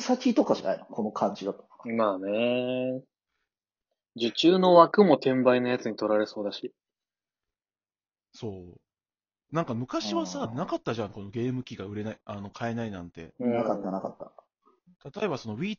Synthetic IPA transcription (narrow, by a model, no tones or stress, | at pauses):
sakʲit̪o̞kaʑa̰na̰ḭnokʰo̞no̞kʰãɲd͡ʑid̪at̪o̥maːne | d͡ʑɨt͡ɕɨːno̞βakɯ̟mo̞t̪ẽ̞mbainojat͡sɨɲit̪o̞ɾaɾe̞so̞ːd̪aɕi | so̞ː | nãŋkamɯ̟kaɕiβasanakat̪ːaʑãŋko̞no̞ɡʲe̞ːmɯ̟kʲiɡaɯ̟ɾe̞naiano̞kʰae̞nainãnt̪e̞̰nakat̪ːanaka̰t̪ːa̰ | t̪at̪o̞e̞baso̞no̞βʲiː